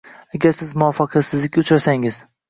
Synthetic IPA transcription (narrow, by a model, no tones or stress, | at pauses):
aɡʲaɾsɪzmʊwɒfɑqʰɑt̪sɪzlɪk̚ʲʊt͡ʃɾasaŋɪz̥